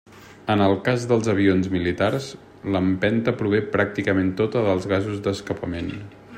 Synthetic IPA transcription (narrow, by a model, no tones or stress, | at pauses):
ənəlˠkazðəlˠzəβionzmilit̪ars | ləmpɛnt̪əpɾuβ̞epɾak̚t̪ikəment̪ot̪əðəlˠzɣazuzd̪əskəpəmen